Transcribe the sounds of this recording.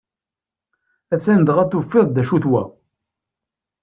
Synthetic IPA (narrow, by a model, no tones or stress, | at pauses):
æθænd̪əʁæθufːɪðˤd̪æʃuθwæ̰